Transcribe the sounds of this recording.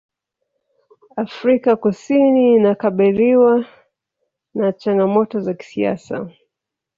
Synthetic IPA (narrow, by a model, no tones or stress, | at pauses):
afɾikakusiniːnakaɓiliwa | nat͡ʃaŋɡamɔtɔzaki̥sia̰sa̰